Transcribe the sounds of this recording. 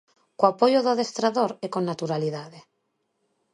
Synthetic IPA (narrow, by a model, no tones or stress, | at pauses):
koapojoðoðest̪ɾaðoɾekonːat̪uɾaliðaðe